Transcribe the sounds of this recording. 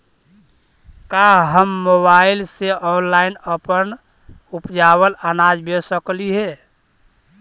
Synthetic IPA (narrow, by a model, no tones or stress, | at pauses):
kaɦəmːobaɪlseʔɔːnlaɪnəpən | upd͡ʒawələnaːd͡ʒbesəkliɦɛ